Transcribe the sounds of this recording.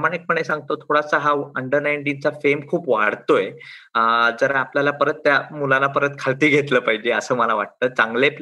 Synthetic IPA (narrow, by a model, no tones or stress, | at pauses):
maɳ̃ek̚pəɳesãŋɡ̚t̪ot̪ʰoɽasaɦaəɳɖəɾnaiɳʈint͡safemkʰuːpʋa̰ɽt̪ojeəd͡zəɾaapljalapəɾət̪ːjamulanapəɾət̪kʰalt̪iːɡʱet̪ləːpaɦid͡ʑeəsəːməlaʋaʈ̚t̪əːt͡saŋɡlep